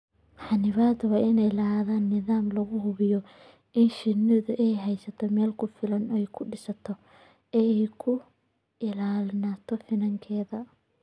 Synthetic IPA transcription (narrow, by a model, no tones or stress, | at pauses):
ħɑnɪβaːd̪wɑːʔɪnɛjlɐɦaːðaːnːɪðaːmlɐɣʊɦʊβɪjɔ | ʔɪnʃɪnɪðʊʔɛjɦɛjsɐt̪ʰɔmɛːlkʰʊfɪlɐnɛjkʰʊɖɪsɐt̪ʰɔ | ɛɛjkʰʊ | ɪlaːlɪnaːt̪ʰɔfɪnɐŋkʰɛːðɐ